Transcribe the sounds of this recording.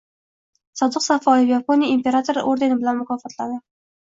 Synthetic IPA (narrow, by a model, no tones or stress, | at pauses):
sɒd̪ɨqsafɒjɪfjaponiimpʲe̞ɾat̪ʰoɾʔoɾd̪e̞nɪbɪlanmʊkʰɒfɒt̪ʰlad̪ɪ